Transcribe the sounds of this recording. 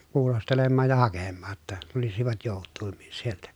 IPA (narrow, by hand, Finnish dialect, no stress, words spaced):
kuːlostelemːɑːj jɑ hɑkemːɑː tːɑ tulisiʋɑt joˑutːuimːin sieltæ